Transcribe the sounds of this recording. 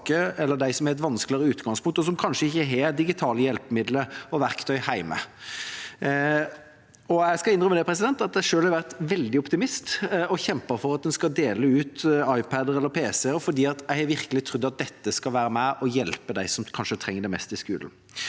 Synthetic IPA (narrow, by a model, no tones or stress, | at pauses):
kəɛlːəd̪æɪsɔmɛɾɛt̪ʋɑnsklɪəɾəʉːt̪ɡɑŋspʊŋkt̪ɔs̬ɔmkʰɑnʃʂəɪçːəɦɛd̪ɪɡɪt̪ʰɑːləjɛlpəmɪd̪ləɔʋæɾkt̪ʰœʏhæɪmə̰ | ɔɛɪskɑɪndɾʏməd̪ɛpʰɾɛsɪd̪ɛnt̪ɑt̪̚d̪æɪʂøːlhɑɾʋæʁt̪ʋɛld̪ɪɔpt̪ɪmɪst̪ɔçɛmpəɾfɔɾɑt̪̚d̪ɛnskɑd̪eːləʉːt̪ɑɪpʰæd̪əɾɛlːəɾpʰeːsɛɔfɔɾd̪iːɑt̪jæɪhæʋɪɾkəlɪt̪ʰɾʉd̪ːɑt̪̚d̪ɛt̪ːəskɑlʋæːɾəmæʔɔjɛlpəd̪æɪsɔmkʰɑnʂət̪ʰɾɛŋːəɖ̪ɛɪmɛ̰st̪ɪskʉ̰ːln̩